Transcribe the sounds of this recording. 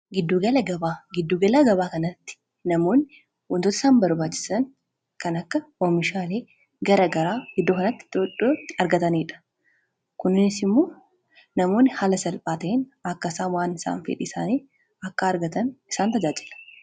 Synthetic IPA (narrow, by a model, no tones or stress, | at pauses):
ɡɪd̪ːuːɡɐlɐɡɐbaːɡɪd̪ːuːɡɐlaːɡɐbaːkɐnɐt̪ːɪ̥ | nɐmo̞ːnːɪ | wɔnt̪ot̪ɐ̥ɪsaːnbɐɾbaːt͡ʃːɪ̥sɐn | kɐnɐkːɐɔmɪʃaːle̞ː | ɡɐɾɐɡɐɾaːɡɪd̪ːoːkɐnɐt̪ːɪ̥oᶑoɐɾɡɐt̪ɐniːᶑɐ̥ | kʊnːɪnɪsɪmːo̞ː | nɐmo̞ːnːɪhalɐsɐlpʼaːt̪ɐʔɪnɐkːɐsaːnwaːnɪsa̰ːnfɛ̰ᶑɪɪsa̰ːniː | ɐkːɐːɾɡɐt̪ɐnɪsaːnt̪ɐd͡ʒaːd͡ʒɪlɐ̥